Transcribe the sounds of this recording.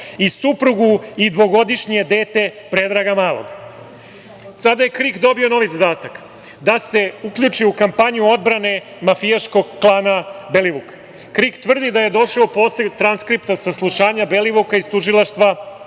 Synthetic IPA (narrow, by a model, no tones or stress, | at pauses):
isupɾuɡuid̪ʋo̞ɡo̞d̪iʃɲie̞d̪e̞ːt̪e̞pɾe̞d̪ɾaɡamaːlˠo̰ɡ | sad̪aje̞kɾikd̪o̞bio̞no̞ʋizad̪aːt̪ak | d̪ase̞ukʎut͡ʃiukampaɲuo̞d̪bɾane̞ | mafijaʃko̞ɡklˠaːnabeliʋuk | kɾikt̪ʋr̩d̪id̪aje̞d̪o̞ʃaopo̞ːset̪ɾanskɾipt̪asaslˠuʃaːɲabe̞liʋukaist̪uʒilˠaʃt̪ʋa